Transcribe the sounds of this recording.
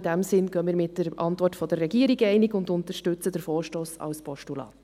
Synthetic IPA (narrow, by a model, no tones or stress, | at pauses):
d̥æmsɪnɡ̥œːmiːəɾmɪtːəɾʔɑntvɔrtfɔd̥ərːɛɡiəɾiɡɛɪnɪɡʊndʊnt̪əʃtʉt͡sədəɾfoːɾʃtoːsɑ̰wspɔʃtulɑ̰